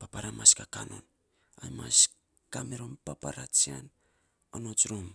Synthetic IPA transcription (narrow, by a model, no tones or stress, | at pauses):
papaɾamaskakano̞̰n | amas | kameɾo̞mpapaɾat͡ʃian | onot͡ʃɾom